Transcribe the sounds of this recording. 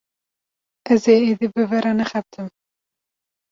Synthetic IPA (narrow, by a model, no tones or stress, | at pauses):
ɛzeːeːd̪ibɨvɛɾɑnɛxɛt̪ʰɨm